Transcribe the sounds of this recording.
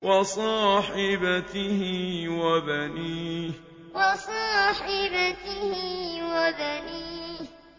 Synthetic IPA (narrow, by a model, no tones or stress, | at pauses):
wɑsˤɑːħɪbat̪ɪhɪwabaniː | wɑsˤɑːħɪbat̪ɪhɪwabaniː